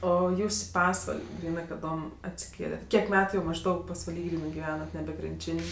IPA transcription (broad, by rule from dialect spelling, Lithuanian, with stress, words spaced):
ˈoː ˈjuːs ɪ ˈpɑːsʋɐlʲ ˈɡrʲiːnɜ kɐˈdoːm ɐtʲsʲɪˈkʲeːlʲɛtʲ ˈkʲiɛk ˈmʲæːtʊ jɛʊ mɐʒˈdɐʊk pɐsʋɐˈlʲiː ˈɡrʲiːnɜ ɡʲɪˈʋʲæːnɐt ˈnʲæːbʲɛ krʲɪnʲˈt͡ʃʲɪnʲ